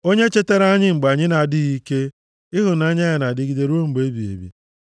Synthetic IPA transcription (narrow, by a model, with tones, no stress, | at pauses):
o˦ɲe˦t͡ʃe˦te˦ɾa˦ɲɪ˦ŋ͡m̩˨ɡ͡ba˨ɲɪ˦na˨a˨dɪ˦ɣi˦ke˦ | ɪ˦ɦʊ˨na˦ɲ˦a˦ja˨na˨dɪ˦ɡi˦de˦ɾu˦o˦ŋ͡m̩˨ɡ͡be˦bi˨ḛ˨bḭ˨